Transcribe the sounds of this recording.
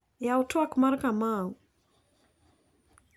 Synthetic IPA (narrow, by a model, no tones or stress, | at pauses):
jawutuakumaɾkamau